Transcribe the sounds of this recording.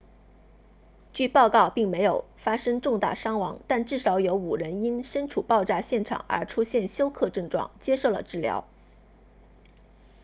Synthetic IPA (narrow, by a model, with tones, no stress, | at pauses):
t͡ɕy˥˧pɑ˥˧ʊkɑ˥˩ʊpi˥˩ŋme˧˥ɪjo˨˩ʊfa˥ʂɤ˥ŋʈ͡ʂʊ˥˧ŋt̪a̰˥˩ʂɑ˥ŋwɑ˧˥ŋt̪a˥˧nʈ͡ʂɻ̩˥˩ʂɑ˧˥ʊjo˧˥ʊu˨˩ɻə˧˥ni˥nʂə˥nʈ͡ʂʰu˨˩pɑ˥˧ʊʈ͡ʂa˥˧ɕjɛ˥˩nʈ͡ʂʰɑ̰˨˩˦ŋə̰˞˧˥ʈ͡ʂʰu˥ɕjɛ˥˩nɕjo˥ʊkʰɤ˥˧ʈ͡ʂɤ˥˧ŋʈ͡ʂwɑ̰˥˩ŋt͡ɕjɛ˥ʂo˥˩ʊlə̰˨˩ʈ͡ʂɻ̩˥˩ljɑ̰˧˥ʊ